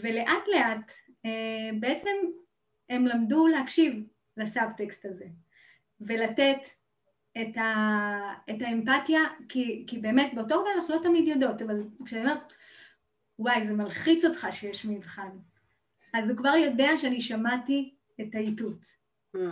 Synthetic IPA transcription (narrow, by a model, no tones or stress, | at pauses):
ve̞le̞ʔatle̞ʔat | ebeet͡se̞m | e̞mlamduleɦakʃiv | lasabtekstaze̞ | ve̞latet | eta | etaempatjakikibe̞ːmetbe̞ot̬ovalaχlo̞tamidjodo̞tavalkʃeataomeʁ | wajzemalχit͡so̞tχaʃejeʃmivχan | azukvaʁjo̞deaʃeaniʃamati | etaitut